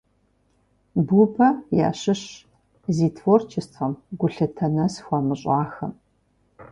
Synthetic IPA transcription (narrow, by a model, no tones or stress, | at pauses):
bubɐja̰ːɕɪɕ | ziːtʰfort͡ʃʰɪstʰqɐmɡʷʊɬɨtʰɐnɐsxʷɐmɨɕʼaːxɐ̰m